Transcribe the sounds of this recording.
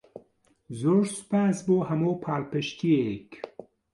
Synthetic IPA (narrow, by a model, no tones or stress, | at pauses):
zoɾspaːsboːhɐmoːpʰaːlpɐʃt̪iek